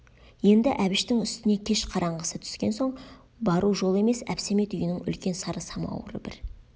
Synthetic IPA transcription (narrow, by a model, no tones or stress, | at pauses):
je̞nd̪ɪʔæbɪʃt̪ɪŋʏst̪ɪne̞kʲʰe̞ʃqʰɑɾɑɴʁəsət̪ʰʏ̥skʲe̞nso̞ɴ | bɑɾuʒo̞lˠe̞me̞sæ̰pse̞me̞t̪ʏjənɪŋʏ̰lkʲe̞nsɑɾəsɑmɑ̰wə̰ɾə̰bɪ̰ɾ